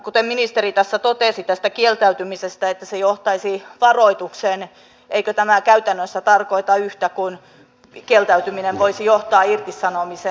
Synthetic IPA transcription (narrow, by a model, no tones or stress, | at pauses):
kut̪eminist̪erit̪æsːæt̪ot̪eˑsit̪æst̪ækielt̪æyt̪ymisest̪æet̪ːæsejoht̪ɑisiʋɑroit̪uksen | ʔeikøt̪æmækæyt̪ænːøsːæt̪ɑrkoit̪ɑyht̪ækun | kielt̪æyt̪yminenʋoisijoht̪ɑːirt̪isːɑnomise